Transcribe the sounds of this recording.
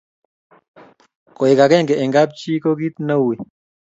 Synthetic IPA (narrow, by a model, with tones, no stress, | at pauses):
kɔ˨i˨ka˨kɛ˦˨ŋɡɛ˨ʔɛ˨ŋɡa˦p̚t͡ʃi˦ko˦ki˦tnə˦wi˨